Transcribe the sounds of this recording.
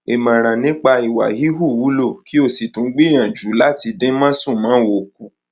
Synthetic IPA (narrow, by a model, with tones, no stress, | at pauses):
e˨mã˨ɾ̃ã˨nĩ˨˦k͡pa˧i˨wa̰˨ɦi˦ɦu˦˨wu˨˦lo˦˨kʰi˦o˦˨si˨tũ˨˦ɡ͡bi˦˨j̃ã˨d͡ʒu˨˦la˦ti˧dẽ˦mã˦sũ˦˨mãː˨˦wo˨k̚u˨˦